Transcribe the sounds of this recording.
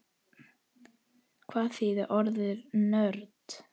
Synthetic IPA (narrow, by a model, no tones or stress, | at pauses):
kʰvaːðθiːðɪʔɔɾðɪɾnœɾt̪